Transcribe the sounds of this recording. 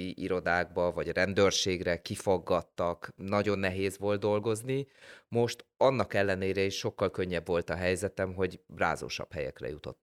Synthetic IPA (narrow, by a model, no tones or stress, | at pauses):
iʔiɾo̞d̪aːɡ̚bɒvɒɟrɛnd̪ørʃeːɡrɛkifo̞ɡːɒt̪ːɒknɒɟo̞nːɛɦeːzʋo̞ld̪̚d̪o̞lɡo̞znimo̞ʃt̪ɒnːɒkɛlːɛneːɾɛiʃʃo̞kːɒlkø̞ɲːɛbvo̞lt̪ɒɦɛjzɛt̪ɛmɦo̞ɟbra̰ːzo̰ːʃɒ̰phɛjɛ̰krɛ̰jut̪o̞̰t̪ː